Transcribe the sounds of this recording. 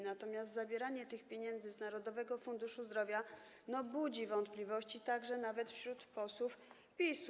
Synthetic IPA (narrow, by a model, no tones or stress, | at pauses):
nat̪ɔmʲjast̪zabʲjɛɾaɲɛt̪ɘxpʲjeɲɛnd̪zɘznaɾɔd̪ɔvɛɡɔfund̪uʂuzd̪ɾɔvʲja | nɔbud͡ʑivɔnt̪plʲivɔɕt͡ɕit̪aɡʐɛnavɛt̪fɕɾut̪pɔswuf | pʲis